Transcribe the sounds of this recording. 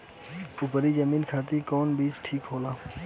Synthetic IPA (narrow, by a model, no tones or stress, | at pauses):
ʊpɾiːd͡ʒəmiːnkʰaːt̪ikoːnbiːt͡ʃʈʰiːkɦoːlaː